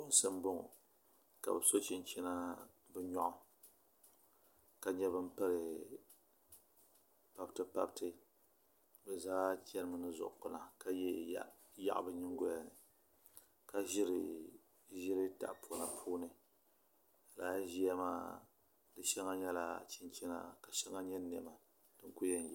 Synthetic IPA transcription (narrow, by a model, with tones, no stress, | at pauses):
ʊ˦n˦sɨ˦m˦bʊ˦ŋʊ̰˨ | ka̰˨bɛ˨so˦t͡ʃɪ˨n˨t͡ʃi˦na˦ | bɨ˦ɲɔ˦ʔʊ˦ | ka˨ɲɛ˦bɨ˦m˦pɨ˦ɾɨ˨ | pa˦btɨ˦pa˦btɨ˦ | bɛ˨zaː˦t͡ʃɛ˦ɾɨ˦mɨ˨nɨ˦zʊ̰˨ʔk͡pʊ˨na˨ka˦jɛ˦ | ja̰˦ʔbɨ˦ɲɪ˦ŋɡo˦ja˨nɨ˨ | ka˨ʒɪ˦ɾ | ʒɪ˦ɾɨ˦ta̰˨ʔpu˨na˨pʰuː˦nɨ˨ | a˨laː˦ʒi˦a˦maː˦ | dɨ˨ʃɛ˦ŋa˦ɲɛ˦la̰˨t͡ʃɪ˦nt͡ʃɛ˦na̰˨ka˨ʃɛ˦ŋa˦ɲɛ˦nɛ˨ma˨ | d̥ɨ˦ŋ˦ku˦jɛ˦n˨j